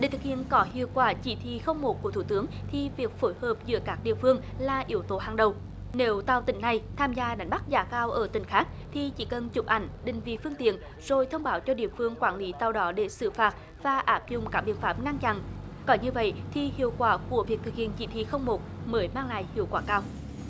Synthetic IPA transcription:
ɗe˧˩t̪ʰɨ˨˩k̚hḭ˧˨ənkɔ˨˦hḭ˧˨əwkwaː˧˩t͡ɕi˧˩t̪ʰḭ˧˨xə˧wŋ͡mmo˨˩t̚ku˧˩ət̪ʰu˧˩t̪ɨ˨˦əŋt̪ʰi˨˩vi˨˩ək̚fo˧˨˦jhəː˨˩p̚zɨ̰˧˦əkaː˦˥k̚ɗḭ˧˨əfɨ˧əŋ | laː˨˩ʔi˨˦əwt̪o˨˦ɦaː˨˩ŋɗə˨˩w | ne˨˦wt̪a˧˩wt̪ï˨˩˦ŋ̟na˨˩jt̪ʰaː˧mzaː˧ɗa˨˦ŋ̟ɓa˦˥k̚zaː˨˩kaː˧wʔəː˧˩t̪ï˨˩˦ŋ̟xaː˦˥k̚ | t̪ʰi˨˩t͡ɕi˧˩˦kə˨˩nt͡ɕʊ˨˩p̚ʔa˨˩jŋ̟ɗï˧˨ŋ̟vḭ˧˨fɨ˧əŋt̪ḭ˧˨ən | z̥o˨˩jt̪ʰə˧wŋ͡mɓaː˨˦wt͡ɕɔ˧ɗḭ˧˨əfɨ˧əŋkwaː˧˩nli˨˦t̪a˧˨wɗɔ˨˦ɗe˧˩sɨ̰˧˩faː˨˩t̚ | vaː˨˩ʔaː˦˥p̚zʊ̰˨˩ŋ͡mkaː˦˥k̚ɓḭ˧˨ənfaː˦˥p̚ŋa˧ŋt͡ɕa̰˧˨nkɔ˨˦nɲɨ˧və̰˧˨jt̪ʰi˨˩hḭ˧˨əwkwaː˧˩ku˧˩əvi˨˩ək̚t̪ʰɨ˨˩k̚hḭ˧˨ənt͡ɕḭ˧˩t̪ʰḭ˧˨˩xə˧wŋ͡mmo˨˩t̚məː˨˦jmaː˧ŋla̰ː˧˨jhi˧˨əwkwaː˧˩kaː˧w

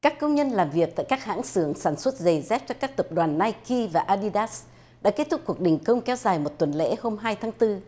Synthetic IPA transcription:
kaː˦˥kːə˧wŋ͡mɲə˧nlaː˨˩mvi˨˩ək̚t̪a̰ː˧˨jkaː˦˥k̚ha̰ː˧˥ŋsɨ˧˩əŋsaː˧˩nswə˦˥t̚zə˨˩jzɛ˦˥p̚t͡ɕɔ˧kaː˦˥k̚t̪ə˨˩p̚ɗwaː˨˩nːaː˧jki˧vaː˨˩ʔaː˧ɗi˧ɗa˦˥s | ɗa̰ː˧˥ke˦˥t̚t̪ʰʊ˦˥k͡p̚ːku˨˩ək̚ɗï˨˩ŋ̟kə˧wŋ͡mkɛ˨˦wzaː˨˩jmo˨˩t̚t̪wə˨˩nlḛ˧˥ho˧mɦaː˧jt̪ʰaː˨˦ŋt̪ɨ˧

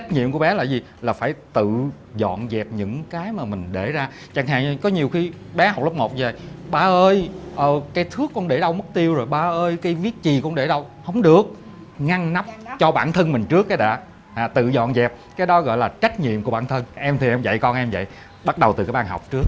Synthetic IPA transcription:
t͡ɕa˦˥jt̚ɲḭ˧˨əmku˧˩˦ɓɛ˨˦laː˨˩zi˨˩ | laː˨˩faː˧˩jt̪ɨ̰˧˨ | zɔ̰˧˨nzɛ˨˩p̚ɲɨ̰˧˥ŋkaː˨˦jmaː˨˩mï˨˩ŋ̟ɗe˧˩zaː˧ | t͡ɕa˧˩ŋɦa̰ː˧˨ŋ˧˩kɔ˨˦ɲi˨˩əwxi˧ | ɓɛ˨˦ha˨˩wk͡p̚lə˦˥k͡p̚mo˨˩t̚ve˨˩jɓaː˧ʔəː˧jʔəː˨˩kaː˨˦jt̪ʰɨ˦˥əkːɔ˧nɗe˧˩ɗə˧wmə˦˥t̚t̪i˧əwzo˨˩jɓaː˧ʔəː˧jkaː˨˦jvi˦˥ət̚t͡ɕi˨˩knɗe˧˩ɗə˧whə˧˦wŋ͡mɗɨ˨˩ək̚ | ŋa˧ŋna˦˥p̚t͡ɕɔ˧ɓa̰ː˧˩nt̪ʰə˧nmï˨˩ŋ̟t͡ɕɨ˦˥əkːaː˨˦jɗa̰ː˧˥ | haː˨˩t̪ɨ̰˧˨zɔ̰˧˨nzɛ˨˩p̚kaː˨˦jɗɔ˨˦ɣɔ̰˧˨jlaː˨˩t͡ɕa˦˥k̟̚ɲḭ˧˨əmkəɓaː˧˩nt̪ʰə˧nʔɛ˧mt̪ʰi˨˩ʔɛ˧mvə̰˧˨jkɔ˧nʔɛ˧mvə̰˧˨j | ɓa˦˥t̚ɗə˨˩wt̪ɨ˨˩kaː˨˦jɓaː˧˩ɦɔ˨˩wk͡p̚t͡ɕɨ˦˥ək̚

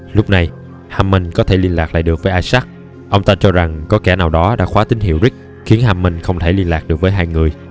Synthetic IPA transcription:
lʊ˦˥k͡p̚na˨˧j | haː˧mːə˧ŋ̟kɔ˨˦t̪ʰe˧˩li˧ənlaː˨˩k̚la̰˧˨ɗɨ˨˩ək̚vəː˨˦jʔaː˧jsa˦˥k̚ | ʔə˧wŋ͡mt̪aː˧t͡ɕɔ˧za˨˩ŋkɔ˨˦kɛ˧˩naː˨˩wɗɔ˨˦ɗa̰ː˧˥xwaː˨˦t̪ï˨˦ŋ̟ɦḭ˧˩əwzï˦˥k̟̚ | xi˨˦ənhaː˧mːə˧ŋ̟xə˧wŋ͡mt̪ʰe˧˩li˧ənlaː˨˩k̚ɗɨ˨˩ək̚vəː˨˦jɦaː˧jŋɨ˨˩əj

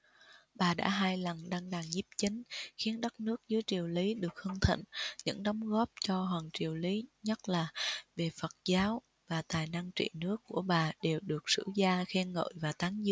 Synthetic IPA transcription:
ɓaː˨˩ɗa̰ː˧˥ɦaː˧jlə˨˩nɗaː˧ŋɗaː˨˩ŋzi˦˥p̚t͡ɕï˨˦ŋ̟xi˨˦ənɗə˦˥t̚nɨ˦˥ək̚zɨ˨˦jt͡ɕi˨˩əwli˨˦ɗɨ˨˩ək̚hɨ˧ŋt̪ʰḭ˧˨ŋɲɨ̰˧˥ŋɗɔ˨˦wŋ͡mɣɔ˦˥p̚t͡ɕɔ˧ɦwaː˨˩ŋt͡ɕi˨˩əwli˨˦ɲə˦˥t̚laː˨˩ve˨˩fə˨˩t̚zaː˨˦w | vaː˨˩t̪aː˨˩jna˧ŋt͡ɕḭ˧˨nɨ˦˥əkːu˧˩əɓaː˨˩ɗe˨˩wɗɨ˨˩ək̚sɨ̰˧˥zaː˧xɛ˧nŋə̰ː˧˨jvaː˨˩t̪aː˨˦ŋzɨ̰˧˥

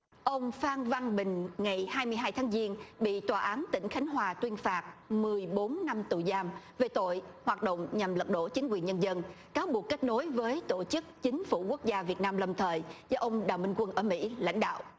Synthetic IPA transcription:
ʔə˧wŋ͡mfaː˧nva˧ŋɓï˨˩ŋ̟ŋa˨˩jhaː˧jmɨ˧əjɦaː˧jt̪ʰːŋzi˧ənɓḭ˧˨t̪waː˨˩ʔaː˨˦nt̪ï˧˩ŋ̟xa˨˦jŋ̟ɦwaː˨˩t̪wi˧ənfaː˨˩t̚mɨ˨˩əjɓo˨˦nːa˧mt̪u˨˩zaː˧m | ve˨˩t̪o̰˧˨jhwaː˨˩t̚ɗo̰˧˨wŋ͡mɲa˨˩mlə˨˩k̚ɗo̰˧˥˩t͡ɕi˨˦ŋkwi˨˩ənɲə˧nzə˧n | kaː˨˦wɓu˨˩əkːa˦˥k̟̚no˨˦jvəː˨˦jt̪o˧˩t͡ɕɨ˦˥k̚t͡ɕï˨˦ŋ̟fu˧˩ku˦˥ək̚zaː˧vi˨˩ət̚naː˧mlə˨˩mt̪ʰəː˨˩jzɔː˧ʔə˧wŋ͡mɗaː˨˩wmï˧ŋ̟kwə˧nʔəː˧˩mḭ˧˥la̰˧˥jŋ̟ɗa̰ː˧˨wʔ

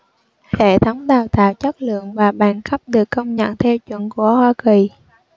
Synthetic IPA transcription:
tʰɛ˧˩t̪ʰə˨˦wŋ͡mɗaː˨˩wt̪a̰ː˧˨wt͡ɕa˦˥k̚lɨ̰˧˨əŋvaː˨˩ɓa̰ː˧˩nxə˦˥p̚ɗɨ˨˩əkːə˧wŋ͡mɲə̰˧˨nt̪ʰɛ˧wt͡ɕwə̰˧˨nku˧˩əhwaː˧ki˨˩

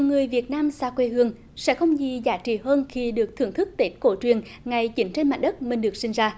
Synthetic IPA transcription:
i˨˩wŋɨ˨˩əjvi˨˩ət̚naː˧msaː˧kwe˧ɦɨ˧əŋ | sɛ̰˧˥xə˧wŋ͡mzi˨˩zaː˨˦t͡ɕḭ˧˩ɦəː˧nxi˧ɗɨ˨˩ək̚t̪ʰɨ˧˩ŋt̪ʰɨ˦˥k̚t̪e˦˥t̚ko˧˦t͡ɕwi˨˩ən | ŋa˨˩jt͡ɕï˨˦ŋ̟t͡ɕe˧nma̰̟˨˩ɗə˦˥t̚mï˨˩ŋ̟ɗɨ˨˩ək̚sï˧ŋ̟zaː˧

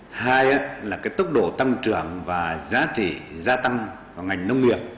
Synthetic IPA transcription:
haː˧jʔaː˧˦laː˨˩kaː˨˦jt̪ʊ˦˥k͡p̚ɗo̰˧˨t̪a˧ŋt͡ɕɨ˧˩˨əŋvaː˨˩zaː˨˦t͡ɕḭ˧˨zaː˧t̪a˧ŋ | vaː˨˩ŋa˨˩jŋ̟nə˧wŋ͡mŋi˨˩əp̚

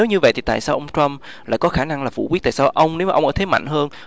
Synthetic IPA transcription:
e˨˦wɲɨ˧və̰˧˨jt̪ʰi˨˩t̪a̰ː˧˨jsaː˧wʔə˧wŋ͡mt͡ɕə˧m | laː˧˨jkɔ˨˦xaː˧˩na˧ŋlaː˨˩fṵ˧˩kwi˦˥t̚t̪a̰ː˧˨saː˧ʔə˧wŋ͡mne˨˦wmaː˨˩ʔŋ͡mʔəː˧˩t̪ʰe˨˦ma̰˧˨jŋ̟ɦəː˧n

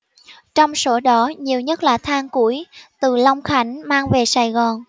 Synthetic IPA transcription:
t͡ɕɔ˧wŋ͡mso˨˦ɗɔ˨˦ɲi˨˩əwɲə˦˥t̚laː˨˩t̪ʰaː˧ŋku˧˩˦əjt̪ɨ˨˩la˧wŋ͡mxa˨˦jŋ̟maː˧ŋve˨˩saː˨˩jɣɔ˨˩n

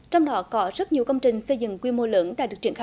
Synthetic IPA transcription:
t͡ɕɔ˧wŋ͡mɗɔ˨˦kɔ˨˦zə˦˥t̚ɲi˨˩əwkə˧wŋ͡mt͡ɕï˨˩ŋ̟sə˧jzɨ̰˧˨ŋkwi˧mo˧ləː˨˦nɗa̰ː˧˥ɗɨ˨˩ək̚t͡ɕi˧˩ənx

